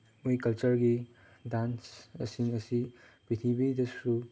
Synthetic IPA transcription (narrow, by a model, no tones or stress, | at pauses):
mojkɐlt͡ʃɐɾɡi | dansɐ̰siŋɐsi | pit̪ʰibidɐsu